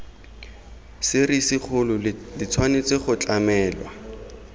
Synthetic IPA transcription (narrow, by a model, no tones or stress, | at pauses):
sɪrisɪk͡xʰʊlʊdɪt͡sʰwanet͡seχʊt͡ɬamɛːlwa̰